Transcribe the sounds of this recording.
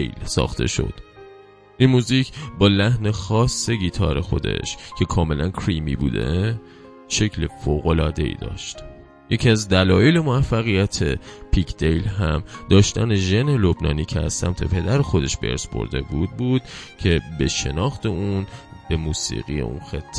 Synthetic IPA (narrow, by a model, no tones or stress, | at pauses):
ejlsɒ̰ːxt̪ʰe̞̰ʃo̰d̪̥ | ʔinmuːziːcʰbɒːlæhne̞xɒːsːe̞ɟiːt̪ʰɒ̰ːɾexo̞̰d̪e̞̰ʃcʰe̞kʰɒːme̞lʔænkʰɾiːmḭːbṵːd̪e̞̰ | ʃe̞cʰle̞foːɣo̞lɒːd̪e̞ḭːd̪ɒ̰ːʃt̪ | je̞cʰiæzd̪ælɒːjele̞moæfːæɣijæt̪ʰe̞pʰikʰd̪ejlɦæmd̪ɒːʃt̪æne̞ʒe̞ne̞lobnɒːniːcʰeæ̰z̥sæmt̪ʰe̞̰pʰe̞d̪æɾexo̞d̪e̞ʃb̥e̞̰ɾsbʰo̞̰ɾd̪e̞̰buːd̪̚buːd̪̥̚cʰe̞be̞ʃe̞̰nɒːxt̪e̞unb̥e̞muːsḭːɣḭjḛʔṵnxet̪ʰː